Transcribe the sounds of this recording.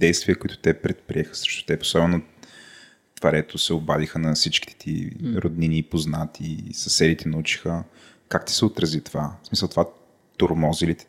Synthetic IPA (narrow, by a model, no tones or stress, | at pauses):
d̪ɛjst̪viəkoʊit̪ʊ̥t̪ɛpɾɛt̪̚pɾiɛxə̥sɛ̥ʃt̪ʊ̥t̪ɛpo̥sɔbɛnʊ | t̪vɐɾɛt̪osɛobad̪ixənɐsit͡ʃki̥ɛ̥t̪ʰḭɾod̪niniːpoznat̪ʰisɐsɛlit̪ʰɛnɐut͡ʃi̥xə | kakt̪i̥sɛot̪ɾɐzit̪ovasmisəlˠt̪ova | t̪oɾmɔzilit̪